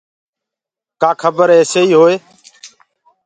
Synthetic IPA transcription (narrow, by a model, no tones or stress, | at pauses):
kaːkʰəbəɾɦeːseːiːɦoːeː